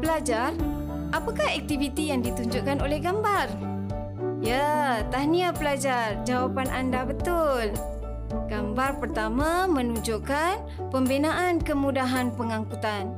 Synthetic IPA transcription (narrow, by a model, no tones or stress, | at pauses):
pəlad͡ʒar | ʔapakahɛk̚t̪ivit̪ijaŋdit̪uɲd͡ʒʊʔkanolɛhɡambar | jat̪ahniapəlad͡ʒard͡ʒawapanʔandabət̪ʊl | ɡambarpərt̪amamənuɲd͡ʒuʔkan | pəmbinaʔankəmudaɦanpəŋaŋkut̪an